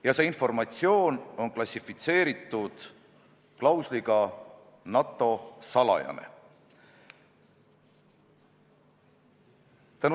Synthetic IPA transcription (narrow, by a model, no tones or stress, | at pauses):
jɑse̞info̞rmɑt̪sio̞ːno̞nklɑsʲifit̪se̞ːɾit̪ːˑud̪̥ | klɑwsliɡ̥ɑ | nɑt̪ːˑo̞sɑlɑ̰jɑ̰nḛ | t̪ænu